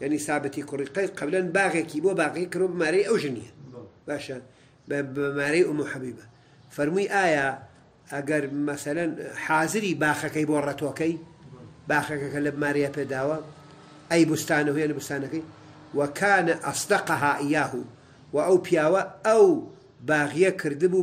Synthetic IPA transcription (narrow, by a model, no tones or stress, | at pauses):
jaʕnisaːbɨt̪ikʊriːqɐj̪qʰɐblɐnbaːɣeːkiːbobaːɣɐkikɨɾwɐbɨmaːɾɐjɐwʒɨnḭjɐb̥aːʃɐ | bmaːɾɐjʔʊmuħabiːbɐ | fɐɾmujʔaːja | ʔɐɡɐɾmɐsɐlɐnħaːzɨɾiːbaːxɐkɐjboːrɐt̪okɐjbaːxɐkɐkɐlɐmaːɾɐjapeːd̪aːwɐ | ʔɐjbʊst̪aːnɐɦujanibʊst̪aːnɐkɐj | wɐkʰaːnɐʔɑsˤd̪ɑqɑɦaːʔɪjaːhu | wɐʔɐwpʰijaːwɐɐw | baːɣijɐkʰɨɾd̪ɨbuː